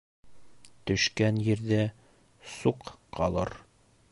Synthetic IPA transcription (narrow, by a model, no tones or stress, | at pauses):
t̪ɵ̆ʃkænjɘ̆ɾd̪æ | suqqɒlˠɤ̰ɾ